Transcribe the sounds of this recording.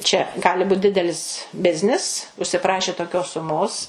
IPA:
t͡ʃʲɛ ˈɡɑːlʲɪ ˈbuːt ˈdʲɪdʲɛlʲɪs ˈbʲɪzʲnʲɪs ʊʃʲsʲɪˈprɑːʃʲeː toːˈkʲoːs sʊˈmoːs

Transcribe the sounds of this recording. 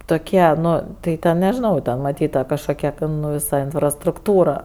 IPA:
toːˈkʲiɛ ˈnʊ tɐɪ ˈtʲɛn nʲɛʒʲɪˈnɐʊ ˈtʲɛn mɐˈtʲiːt tɐ kɐʃˈkoːkʲɛ tʲɛn ˈnʊ ʋʲɪˈsɐ ɪnfrɐstrʊkˈtuːrɐ

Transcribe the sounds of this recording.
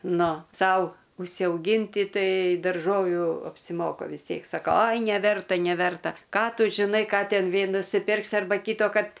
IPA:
ˈnʊ ˈsɐʊ ʊʃʲsʲɛʊˈɡʲiːnʲtʲɪ ˈtɐɪ dɐrˈʒoːʋʲuː ɐpʲsʲɪˈmoːkɐ ʋʲɪs ˈtʲiɛk sɐˈkɐʊ ˈɐɪ nʲɛˈʋʲɛrtɐ nʲɛˈʋʲɛrtɐ ˈkɑː ˈtʊ ʒʲɪˈnɐɪ ˈkɑː ˈtʲɛn ˈʋʲeː nʊsʲɪˈpʲɪrksʲɪ ɐrˈbɐ ˈkʲiːtoːkɐrt

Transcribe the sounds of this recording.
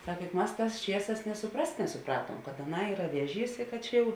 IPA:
ˈsɐk jʊk ˈmɐs ˈtɑːs ˈt͡ʃʲiɛˌsɑːs nʲeː sʊˈprɐst nʲɛsʊˈprɑːtuɔm kɐt ɐˈnɐɪ ˈiːrɐ ˈʋʲiɛˌʒʲiːs ɪ kɐt ˈt͡ʃʲɛ jɛʊ

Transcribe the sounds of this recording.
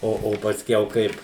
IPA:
ˈoː oː pɐsʲˈkʲɛʊ ˈkɐɪp

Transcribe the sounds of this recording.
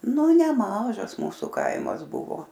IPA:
nʊ nʲɛˈmɑːʒɐs ˈmuːsʊ ˈkɐɪmɐs ˈbʊʋoː

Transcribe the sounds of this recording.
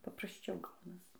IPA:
pɐprɐsʲˈt͡ʃʲɛʊ ˈɡɐʊnɐs

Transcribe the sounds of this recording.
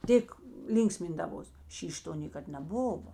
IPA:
ˈtʲeːk ˈlʲiːŋksʲmʲɪndɐʋoːs ˈʃʲiːʃʲ ˈtoː ˈnʲeːkɐt nʲɛˈbʊʋoː

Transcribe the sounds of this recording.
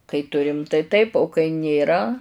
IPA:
kɐɪ ˈtʊrʲɪm tɐɪ ˈtɐɪp oː kɐɪ nʲeːˈrɐ

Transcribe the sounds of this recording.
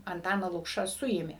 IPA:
ɐnˈtɑːnɑː ˈlˠʊkʃɑː ˈsʊeːmʲeː

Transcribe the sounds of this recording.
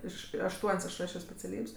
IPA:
ˈɪʃ ɐʃˈtuɔnʲsʲ ɐʃ rɐʃʲoː sʲpʲɛt͡sʲɛˈlʲiːpʲsʲ

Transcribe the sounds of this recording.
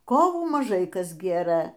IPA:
ˈkoːʋuː mɐˈʒɐɪ ˈkɐs ˈɡʲeːrɘ

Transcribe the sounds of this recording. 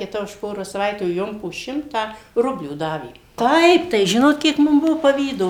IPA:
kʲɪˈtɐ ʊʃ ˈpoːroːs sɐˈʋɐɪtʲuː ˈjoːm poː ˈʃʲɪmtɑː ˈrʊbʲlʲuː ˈdɑːʋʲeː ˈtɐɪp tɐɪ ˈʒʲɪnoːt ˈkʲiɛk ˈmʊm ˈbʊʋoː pɐˈʋʲiːdoː

